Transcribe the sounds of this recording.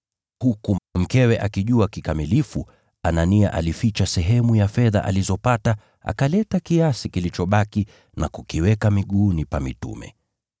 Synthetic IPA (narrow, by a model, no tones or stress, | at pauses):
hukum̩kɛwɛʔakiʄuakikamilifu | anania̰ʔa̰lifit͡ʃasɛɦɛmujafɛða̰ʔa̰lizɔpata | a̰kalɛtakiasikilit͡ʃɔɓaki | na̰kukiwɛkamiɠuːnipamḭtṵmɛ̰